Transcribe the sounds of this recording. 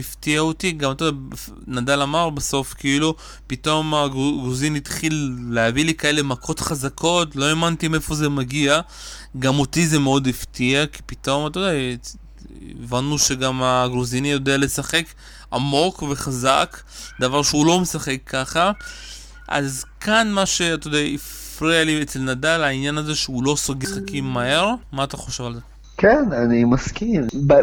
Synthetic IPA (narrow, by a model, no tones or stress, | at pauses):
ift̪iaotiɡamat̪oda | nad̪alamaʁbaso̞fkeilu | pit̪o̞maɡɡuzinit̪χilːeavilikae̞le̞makʰo̞tχazakʰo̞tlo̞e̞mant̪imefo̞zemaɡia | ɡamot̪izemeo̞d̪iftiaki̥pit̪o̞mat̪ode | ḛvanːuʃeɡamaɡʁuzinijo̞d̪eale̞saχe̞k | amo̞kveχazak | d̪avaʁʃeulo̞mesaχe̞kʰːaχa | ʔa̰zkanmaʃe̞at̪od̪eai | fʁialiet͡selnadalainjanaze̞ʃeulo̞soɡeχakimːahe̞ʁmaːt̪aχo̞ʃe̞valze | kenanimaskimb